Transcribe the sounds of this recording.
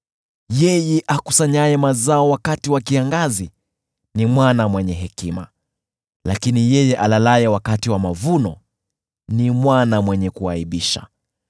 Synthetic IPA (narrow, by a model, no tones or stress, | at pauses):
jɛjɛʔakusaɲajɛmazaɔwakatiwakiaŋɡazi | nimwanamwɛɲɛɦɛkima | lakinijɛjɛʔalalajɛwakatiwamavunɔ | nimwanamwɛɲɛkuaiɓiʃa̰